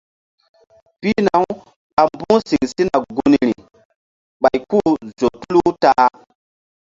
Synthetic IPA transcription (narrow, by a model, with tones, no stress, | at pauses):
pi˦na˨˦w | a˨mbu˦si˨ŋsi˦na˨ɡu˦ni˨ɾi˨ | ɓa˨jku˦zo˨tu˦lu˦ta˦